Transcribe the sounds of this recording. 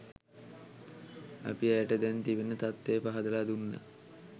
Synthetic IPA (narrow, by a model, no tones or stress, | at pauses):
ɐ̰piæʈəd̪ɛnt̪iʋenət̪at̪ːejpaɦad̪əlaːd̪unːə̰